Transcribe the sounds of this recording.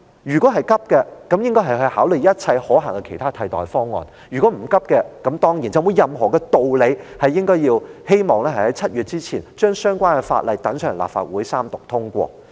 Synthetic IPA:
jyː˨kʷɔː˨˥ɦɐ˨jkɐ˥p̚kɛː˧kɐ˨˥mjɪ˥ŋkɔː˥ɦɐ˨jɦɵ˧ɥhaː˨˥wlɵ˨˩jɐ˥t̚t͡sʰɐ˧jhɔː˨˥ɦɐ̰˨˩ŋkɛ˧kʰe˨˩jt̪ʰaː˥t̪ʰɐ˧jt̪ɔ̰ː˨jfɔː˥ŋːɔ̰ː˨n | jyː˨˩kʷwɔː˨˥m̩˨˩kɐ˥p̚kɛː˧kɐ˨˥mt̪ɔː˥ŋjiː˨˩nt͡sɐ˨wmu˨˧jɐ˨mɦɔː˨˩kɛ˧t̪o˨wle˨˧jhɐ˨jːɪ˥ŋkɔː˥jiː˧whe˥jmɔː˨˩ŋlɛː˥hɐ˨˩hɐ˨˥jt͡sʰɐ˥t̚jyː˨t̚t͡siː˥t͡sʰiː˨˩nt͡ʃœː˥ŋsœː˥ŋkʷaː˥nkɛ˧fa̰ː˧t̚lʔɐ˨˩jt̪ɐ˨˥ŋsœː˨˩ŋla̰ː˨p̚fa̰ː˧t̚wuː˨˥jsaː˥mt̪ʊ˨k̚t̪ʰʊ˥ŋkʷɔ̰ː˧

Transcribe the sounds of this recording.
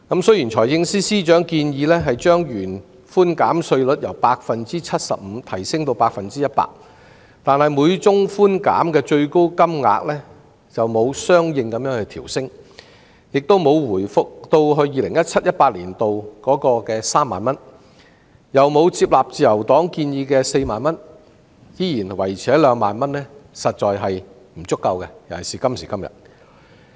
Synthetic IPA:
kɐ˨˥msɵ˥ɥji˨˩nt͡ʃʰɔː˨˩jhɪ˧ŋsiː˥siː˥t͡ʃœː˨˥ŋkiː˧njiː˧lɛː˥ɦɐ˨jt͡ʃœː˥ŋjyː˨˩n | fuː˥nkaː˨˥msɵ˧ɥlɵ˨˥t̚jɐ˨˩wpaː˧k̚fɐ˨nt͡siː˥t͡sʰɐ˥t̚sɐ̰˨p̚m̩ː˨˧˥t̪ʰɐ˨˩jsɪ˥ŋt̪o˧wpaː˧k̚fɐ˨nt͡siː˥jɐ˥t̚pa̰ː˧˥k̚ | t̪aː˨nhɐ˨jmuː˨˧jt͡ʃʊ˥ŋfuː˥nka̰ː˨˥mkɛː˧t͡ʃɵ˧ɥko˥wkɐ˥mŋa̰ː˧k̚lɛː˥ | t͡sɐ˨wmo˨˧wsœː˥ŋjɪ˧ŋkɐ˨˧mjœː˧˥ŋhɵ˧jt̪ʰiː˨˩wsɪ˥ŋ | jɪ˨k̚t̪o˥wmo˨˧wwuː˨˩jfʊ˨k̚t̪o˧wɦɵ˧ɥjiː˨˧lɪ˨˩ŋjɐ˥t̚t͡sʰɐ˥t̚jɐ˥t̚paː˧t̚liː˨˩nt̪o˨wkɔː˨˥kɔː˧kɛː˧saː˥mːaː˨˩nmɐ˥n | jɐ˨˩wmo˨˧wt͡siː˧p̚laː˨p̚t͡siː˨˩jɐ˨˩wt̪ɔː˨˥ŋkiː˧njiː˧kɛː˧se˧jmaː˨˩nmɐ˥n | jiː˥jiː˨˩nwɐ˨˩jt͡sʰɛː˨˥lœː˨˧ŋmaː˨nmɐ˥nɛː˥sɐ˨t̚t͡ʃɔː˨jɦɐ˨j | m̩˨˩t͡sʊ˥kːɐ˧wkɛ˧jɐ˨˩siː˨kɐ˥msiː˨˩kɐ˥mjɐ̰˨t̚

